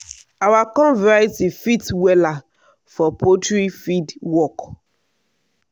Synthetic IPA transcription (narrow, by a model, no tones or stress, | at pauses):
awakɔ̃lvɛɹajtifitwɛla | fɔpotɹifidwɔk